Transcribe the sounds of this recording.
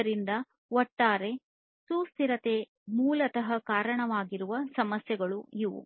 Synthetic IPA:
ɾind̪ɐ | ɔʈːaːɾe̞ | suːst̪iɾɐt̪e̞ | muːlɐt̪ɐɦɐkaːɾɐɳɐʋaːɡiɾuʋɐsɐmɐsjɛɡɐɭuiʋṵ

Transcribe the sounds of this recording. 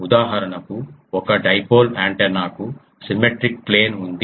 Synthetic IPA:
ud̪aːɦɐɾɐnɐkuɔkɐɖɐjpoːlaːɳʈenaːku | simeʈɾikple̞ːnund̪i

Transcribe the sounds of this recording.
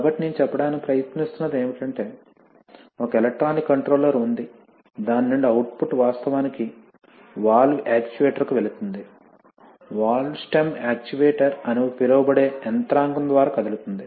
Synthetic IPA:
kbɐʈːinint͡ʃɛpːɐɽaːnikipɾɐjɐt̪nist̪unːɐd̪e̞ːmiʈɐɳʈe̞ː | okɐelek̚ʈɾaːnikːɐɳʈɾoːlɐɾund̪i | d̪aːnːuɳɖuɐwʈpuʈʋaːst̪ɐʋaːniki | ʋaːɭːuʔaːk̚t͡ʃiʋeːʈɐɾkuʋeɭut̪und̪i | ʋaːɭsʈɐmaːk̚t͡ʃiʋeːʈɐɾɐnupiɾɐwɐbɐɽeːɛnt̪ɾaːŋɡɐnd̪ʋaːɾaːkɐd̪ilut̪und̪i

